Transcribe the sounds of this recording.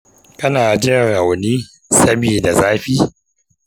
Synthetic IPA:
kɐ˦naː˨d͡ʒɪ˦ɾa˨wniː˦ | sɐ˦biː˨da˨zaː˦ɸiː˦

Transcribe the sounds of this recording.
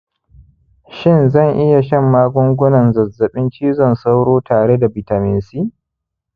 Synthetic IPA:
ʃɪ˦˨nzɐ˦˨ŋʔɪ˦ja˨ʃɐ˦˨mːaː˦ɡʷʊ˦ŋɡʷʊ˦nɐ˨nzɐ˨zːɐ˨ɓɪ˦nt͡ʃiː˦zɔ˦˨nsa˦wɽoː˦taː˨ɽe˦da˨bɪ˨ta˨mɪ˨nsiː˦

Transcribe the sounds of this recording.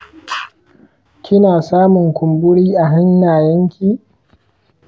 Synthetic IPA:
kʲɪ˦naː˨saː˦mʊ˨ŋkʷʊ˨mbʊ˦ɽiː˦ʔa˨ɦa˦njaː˨jɐ˦ŋkʲiː˨

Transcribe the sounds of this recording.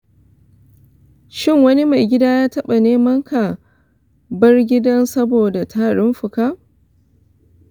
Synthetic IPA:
ʃɪ˦˨ŋwɐ˦ni˦ma˨jɡʲɪ˦daː˦jaː˦tɐ˦ɓa˨neː˦mɐ˦ŋkʰa˨ | bɐ˦rɡʲɪ˦dɐ˦nsɐ˦boː˨da˨tʰaː˦ɽɪ˦mɸʊ˨kaː˦

